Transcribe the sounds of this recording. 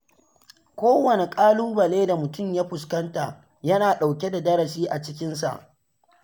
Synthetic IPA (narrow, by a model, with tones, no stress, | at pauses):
kʷoː˦wɐ˨ne˨kʼaː˦luː˦bɐ˨leː˦da˨mʊ˨tʊ˦˨mjaː˦ɸʊ˨skɐ˦nta˨ | jɐ˦naː˨ɗa˨wkʲe˦da˨dɐ˦ɾɐ˨siː˦ʔa˨t͡ʃɪ˦k̬ʲɪ˦nsa̰˨ʔ